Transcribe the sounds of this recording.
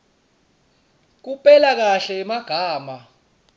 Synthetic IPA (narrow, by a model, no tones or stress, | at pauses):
k̬upʼɛlak̬aɬɛmaɡ̥ʱaːma